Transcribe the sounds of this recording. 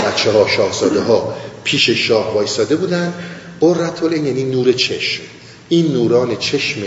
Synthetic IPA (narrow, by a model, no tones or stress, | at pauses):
bæt̪t͡ʃʰːeɦɒːʃɒːhz̥ɒːd̪eɦɒːpʰiːʃe̞ʃɒːhvɒːist̪ɒːd̪e̞buːd̪ænd̪ | ɢorːæt̪ʰolʔenjæniːnuːɾe̞t͡ʃʰe̞ʃm | ʔiːnːuːɾɒːne̞t͡ʃʰe̞ʃme